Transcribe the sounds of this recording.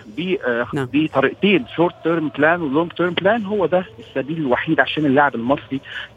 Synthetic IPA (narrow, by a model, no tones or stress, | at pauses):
biːʔbit̪ˤɑɾiʔt̪eːnʃoɾt̪ːøɾmt̪læːnweloŋɡ̚t̪øːɾmt̪læːnɦowːæd̪æesːæbiːlelwaħiːd̪ʕaʃæːnelːaʕebelmɑsˤɾi